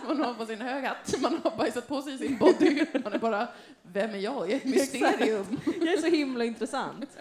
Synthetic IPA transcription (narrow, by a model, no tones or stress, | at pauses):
manhaɾpɔsɪnhøːɡhat̪ːmanhaɾbajsat̪̚pʰɔsɛjɪsɪnbɔd̪ɪmanæɾbɑːɾa | vɛmːæɾjɑːɡɪɛt̪mʏst̪eːɾɪɵmjɑæʂɔhɪmlaɪnt̪ɾɛsa̰nt̪